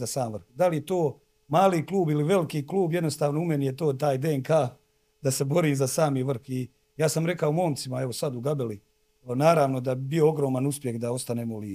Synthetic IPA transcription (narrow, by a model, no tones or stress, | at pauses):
asaːmʋr̩xd̪alije̞t̪oː | maːliːkluːbiliʋe̞likiːkluːbje̞d̪nost̪aːʋnoume̞nije̞t̪o̞ːt̪aːjd̪eeŋkaː | d̪ase̞bo̞ɾiːmzasaːmiːʋr̩xi | jaːsamɾe̞kaomo̞ːmt̪simae̞ʋo̞sad̪uɡabeli | naːɾaːʋno̞d̪abioo̞ɡɾo̞ːmanuspje̞xd̪ao̞st̪aneːmoli